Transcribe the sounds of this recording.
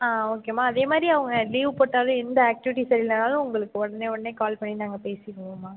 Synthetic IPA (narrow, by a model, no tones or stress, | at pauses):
aːoːkeːmaːɐðeːmaːd̪ɾiɐʋɐŋɡɐliːʋpɐʈːaːlʊ̃ɛnd̪ɐaːk̚ʈɪʋɪʈ̬ːisɐɾilɐnaːlɯ̃ʊŋɡɐɭɯkːɯɔɽɐneːɔɽɐneːkaːlpɐɳːinaːŋɡɐpeːsɪkːɯʋõːmaː